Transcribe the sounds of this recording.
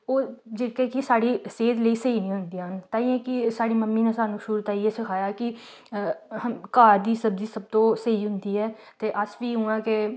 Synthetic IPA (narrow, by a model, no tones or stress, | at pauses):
oːd͡ʒeːkeːkisaːɽiːseːd̪ləiːsəiːnĩːɦʊnd̪iːaːɦnt̪ãːĩɛ̃ːkɪsaːɽiːməmːiːnẽːsaːnũːʃuːɾt̪aːiːeːsɪkʰaːjaːkɪ | kaːɾd̪iːsəbd̪iːsəb̚t̪õːsəiːɦʊnd̪iːɛː | t̪eːʔəsʋiːɦũːãːke